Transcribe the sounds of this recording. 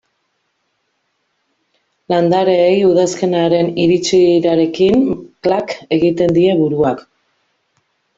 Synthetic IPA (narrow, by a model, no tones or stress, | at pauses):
land̪aɾe̞ːjuð̞aske̞naɾe̞niɾit͡siɾaɾe̞kinklake̞ɣit̪e̞nd̪ie̞βuɾuak